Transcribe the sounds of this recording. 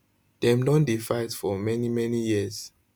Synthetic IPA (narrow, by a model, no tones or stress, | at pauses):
d̥ɛ̃mnɔndifaɪdfɔmɛnimɛnijiəz